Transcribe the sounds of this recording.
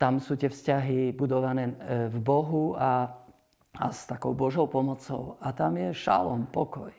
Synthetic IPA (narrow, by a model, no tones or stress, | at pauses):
t̪amsuːt̪ɪɛfscaɦibud̪ɔʋanɛːvbɔɦua | a̰st̪akɔʊbɔʒɔʊpɔmɔt͡sɔʊat̪amjɛʃa̰lɔnpɔkɔj